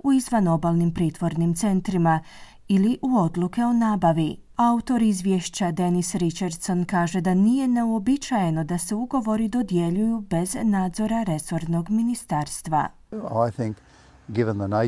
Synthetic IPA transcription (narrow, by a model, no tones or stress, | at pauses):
uizʋano̞baːlˠnimpɾiːt̪ʋo̞ɾnimt̪se̞nt̪ɾima | iliʔuo̞d̪lˠuke̞o̞naːbaʋi | aut̪o̞ɾizʋjeʃt͡ɕad̪e̞nisɾit͡ʃeɾd̪so̞nkaːʒe̞d̪anije̞ne̞uobit͡ʃaje̞no̞d̪ase̞uɡo̞ʋo̞ɾid̪o̞d̪je̞ʎujube̞znaːd̪zo̞ɾaɾe̞so̞ɾno̞ɡminist̪aːɾst̪ʋa̰ | a̰ɪθɪ̃ŋk | ɡ̥ɪvə̃nðəne